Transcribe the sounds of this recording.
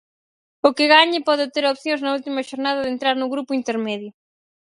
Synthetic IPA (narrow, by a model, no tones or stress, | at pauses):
ʊkɪɣaɲɪpɔðɪt̪eɾopθjõŋznɐult̪imɐʃoɾnað̞ɐðent̪ɾaɾnʊɣɾupʊint̪eɾmeðjʊ